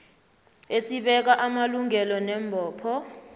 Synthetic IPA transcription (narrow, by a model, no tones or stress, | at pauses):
esiɓɛk̬aʔamaluŋɛlɔnɛmbʱɔːpʰɔ